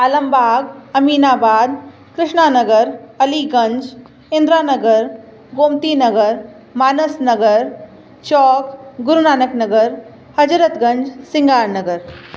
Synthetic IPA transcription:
ɐləmbʱaːɡɐmiːnaːbaːd̪̚ | kɾɪʃɳaːnɐɡəɾɐliɡɐ̃ɲd͡ʒ | ɪ̃nd̪ɾaːnɐɡəɾ | ɡoːmt̪inɐɡəɾ | maːnəsnɐɡəɾ | t͡ʃɔːkɡʊɾunaːnɐknɐɡəɾ | hɐd͡ʒɾət̪ɡɐ̃ɲd͡ʒsɪŋɡaːɾnɐɡəɾ

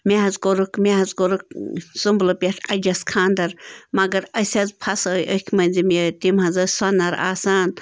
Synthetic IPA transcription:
meɦɐzɡoɾukmeɦɐzɡoɾuk̚zumblɨpʲeʈʰɐd͡ʒɐskʰaːnd̪ɐɾmɐɡɐɾɐsʲɐzpʰɐsoːjʔəkʲʰmɐnʲzimet̪imɦɐzɐswɐnːɐɾa̰ːsaːn

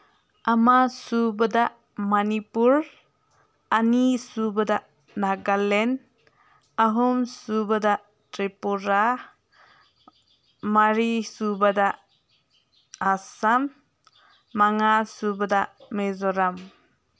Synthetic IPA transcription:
amasubada | manipuɾ | anisubada | naɡalen | aɦumsubada | tɾepuɾa | aɾisubada | samː | aŋasubadamezɔɾam

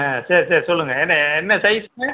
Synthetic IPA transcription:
aseːɾiseːɾisɔlːɯŋɡɐɛnːɐɛnːɐsɐjsɯmɐ

